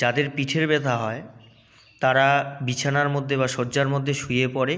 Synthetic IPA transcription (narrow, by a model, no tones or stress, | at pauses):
d͡ʑad̪eɾpiʈʰeɾbɛt̪ʰaɦɔe | t̪aɾabit͡ɕʰanaɾmod̪ʱːeβaʃoɾd͡ʑaɾmod̪ʱːeʃujepɔɾe